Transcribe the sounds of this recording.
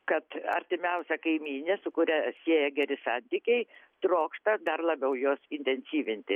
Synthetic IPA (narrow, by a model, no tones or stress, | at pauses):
kɐt̪ɐ̰ɾʲt̪ʲɪmʲɛʊsʲɛkɐɪmʲiːnʲesʊkʊɾʲɛsʲeːjɛɡʲɛɾʲɪsɑnʲt̪ʲiːkʲɛɪ | t̪ɾoːkʃt̪ɐd̪ɐrlˠɐbʲɛʊjoːsɪnʲt̪ʲɛnʲsʲiːʋʲɪnʲt̪ʲɪ